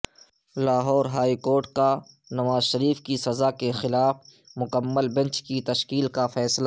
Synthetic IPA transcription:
laːɦɔːɾɦaːikoːɾʈ̚ka | nɐʋaːzʃɐɾiːfkisɐzakexɪlaːf | mʊkəmːəlbɛ̃nt͡ʃkit̪ɐʃkiːlkafɛːsla

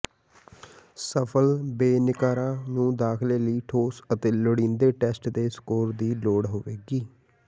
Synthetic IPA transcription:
səpʰəlbeːnɪkaːɾãːnũːd̪aːkʰleːləiːʈʰoːsət̪eːləɽĩːnd̪eːʈɛːsʈd̪eːskoːɾd̪iːloːɽɦoːʋeːɡiː

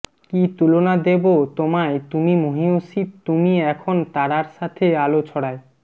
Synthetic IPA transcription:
kit̪ulonad̪ebot̪omaet̪umimoɦiosid̪̚t̪umiɛkʰont̪aɽaɾʃat̪ʰealot͡ɕʰɔɽae

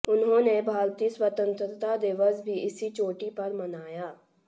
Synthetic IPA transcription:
ʊnɦõːnebʱaːlt̪iːswət̪ə̃nt̪ɾt̪ad̪eːʋəzbʱiɪsit͡ʃoːʈipɐɾmənaːjaː

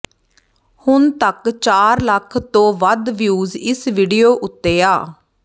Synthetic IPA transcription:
hʊnt̪əkt͡ʃaːɾləkʰt̪õːʋəd̪ʋjuːzɪsʋiːɖijoːʔʊt̪ːeːaː

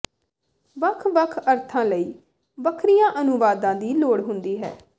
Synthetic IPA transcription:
ʋəkʰʋəkʰəɾt̪ʰãːləiː | bəkʰɾijãːʔənʊʋaːd̪ãːd̪iːloːɽɦʊnd̪iːɦɛ̰ː

